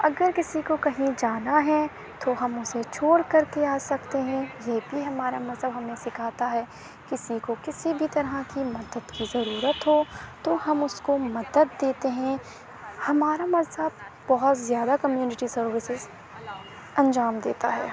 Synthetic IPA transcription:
ɐɡəɾkɪsikokɐɦĩd͡ʒaːnaɦɛ | t̪oɦɐmʊset͡ʃʰoːɽkɐɾkeaːsɐkt̪eɦɛ̃jebʱiɦɐmaːɾamɐzɦəbɦɐmẽsɪkʰaːt̪aɦɛː | kɪsikokɪsibʱit̪ɐɾɦakimɐd̪əd̪kizɐɾuːɾət̪ɦoːt̪ohɐmʊskomɐd̪əd̪ːeːt̪eɦɛ̃ | hɐmaːɾamɐzɦəb̚bɔɦʊt̪zjaːd̪akɐmjuːnɪʈisɐɾʋɪsɪz | ɐ̃nd͡ʒaːmd̪eːt̪a̰ɦɛ̰ː

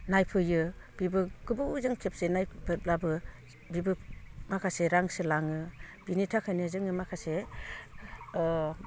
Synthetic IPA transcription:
najpʰɯjɯb̥ibɯɡ̥ɯbɯzɯŋkʰep̚senajbʰɯp̚labɯ | bibɯmakʰaseɾaŋsɯlaŋɯ | b̥initʰakʰajnɯzɯŋɯmakʰase

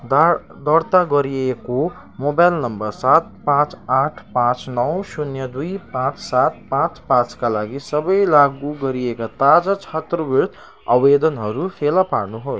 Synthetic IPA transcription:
d̪ʌɾt̪aɡʌɾieko | mobajlnʌmbʌrsat̪̚pãt͡spaʈʰpãt͡snʌwsunjʌd̪ujpãt͡ssat̪̚pãt͡spãt͡skalaɡisʌbʌjlaɡuɡʌɾiekat̪ad͡zʌt͡ʃʰat̪robiɾt̪ | ʌwed̪ʌnɦʌɾupʰelapaɾnuɦoj

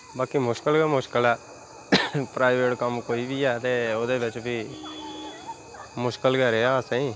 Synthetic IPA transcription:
baːkimʊʃkəlɡəmʊʃkəlɛː | pɾaːɪʋeːʈkəmkoːiːbʱiːɛːt̪eːod̪eːʋɪt͡ʃbʱiː | mʊʃkəlɡəɾeaːsẽĩː

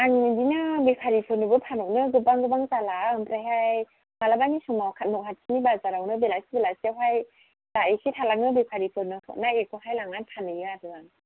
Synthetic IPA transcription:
aŋɯdinabepʰaɾipʰɯnɯbɯpʰanɔnɯɡɯpaŋɡɯbaŋzalaɯmpɾajɦaj | malabaŋisɔmawkʰat̚nɔkɦʰat̚sʰinibazaɾawnɯbelasibelasawɦaj | laikʰitʰalanɯbepʰaɾipʰɯnɯtʰɔ̰k̚naekʰɔɦajlaŋanpʰanɯjɯadɯbaŋ

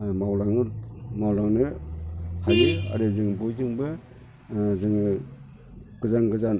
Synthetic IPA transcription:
mawɾaŋmawlaŋnɯ | hanɯa̰ɾɯzɯŋbɔjzɯŋbɯ | zɯŋ | ɡ̥ɯzaŋɡɯzan

